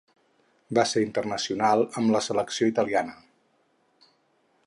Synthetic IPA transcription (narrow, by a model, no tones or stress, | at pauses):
baseɾint̪ərnəsiunalˠəmləsələksioit̪əlianə